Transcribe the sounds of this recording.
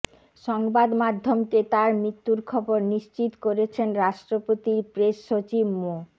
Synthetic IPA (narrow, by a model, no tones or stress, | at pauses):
ʃɔŋbad̪mad̪ʱːomt̪et̪aɾmɾit̪ːuɾkʰɔboɾniʃt͡ɕit̪koɾet͡ɕʰenɾaʃʈɾopot̪iɾpɾeʃːot͡ɕibmo